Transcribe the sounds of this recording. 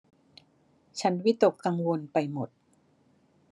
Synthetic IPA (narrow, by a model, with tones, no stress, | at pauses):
t͡ɕʰa˦˥nwi˦˥t̪o˨˩kːka˧ŋwo˧npa˧jmo˨˩t̪̚